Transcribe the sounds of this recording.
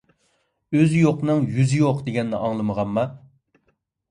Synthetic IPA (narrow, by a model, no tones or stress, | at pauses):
øzjoqnɨŋjyzɪjoqd̪eɡʲɛnːɛʔɑŋlˠɨməʁɑmmɑ